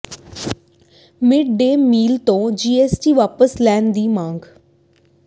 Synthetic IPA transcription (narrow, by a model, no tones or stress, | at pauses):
mɪɖ̚ɖeːmiːlt̪õːd͡ʒiːeːsʈiːʋaːpəslɛːnd̪iːmãːŋɡ